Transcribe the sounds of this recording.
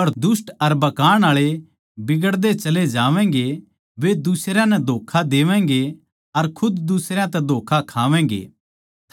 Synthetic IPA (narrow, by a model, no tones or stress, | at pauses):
pɐɾd̪ʊsʈɐɾbɐkaːɽ̃aːɭe | bɪɡəɽd̪et͡ʃɐled͡ʒaːʋɛ̃̆ːɡe | ʋed̪ʊsɾjãnɛd̪ʱoːkʰad̪eːʋɛ̃̆ːɡe | ɐɾkʰʊd̪d̪ʊsɾjãt̪ɛd̪ʱoːkʰakʰaːʋɛ̃ːŋɡḛː